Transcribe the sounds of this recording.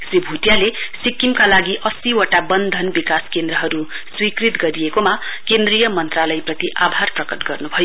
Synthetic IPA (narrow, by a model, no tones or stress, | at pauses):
sribʱut̪jalesikːimkalaɡiʔʌsiwoʈabʌnd̪ʱʌnbikaskend̪ɾʌɦʌɾu | swikrit̪ɡʌɾijekomakend̪rijʌmʌnt̪ralʌjprʌt̪iʔabʱarprʌkʌtɡʌrnubʱʌjo